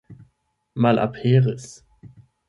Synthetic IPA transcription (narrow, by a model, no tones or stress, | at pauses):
maːlʔa̰pʰheːʁəs